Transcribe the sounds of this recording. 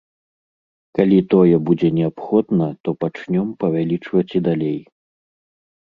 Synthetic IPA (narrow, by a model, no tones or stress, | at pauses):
kalʲit̪ɔjɛbud͡zʲɛnʲɛapxɔd̪nɐt̪ɔpat͡ʂnʲɔmpɐvʲalʲit͡ʂvɐt͡sʲid̪alʲej